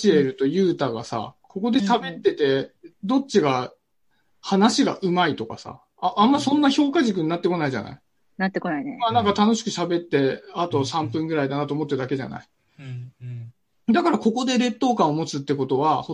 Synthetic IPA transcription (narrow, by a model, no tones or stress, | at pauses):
ie̞ɾɯ̟t̪o̞jɯ̟ːt̪aɡa̰sa̰ko̞ko̞d̪e̞t̪abe̞t̪ːe̞t̪e̞d̪o̞t͡ɕːɕiɡa | hanaɕiɡa̰ʔɯ̟mait̪o̞ka̰sa̰ | aʔːmːasõ̞nːaço̞ːkaʑik̬ɯ̟ɲ̟inːat̪ːe̞ko̞naiʑa̰na̰i | nat̪ːekonainemaːnãŋkat̪ano̞ɕi̥kɯ̟ɕabe̞t̪ːe̞at̪o̞sãmpɯ̟̃ŋɡɯ̟ɾaid̪anat̪oːmo̞t̪ːeɯd̪ake̞ʑa̰na̰i | d̪akaɾako̞ko̞d̪e̞ɾe̞t̪ːo̞ːkãɰ̃omo̞t͡sɨt̪ːe̞ko̞t̪o̞βaho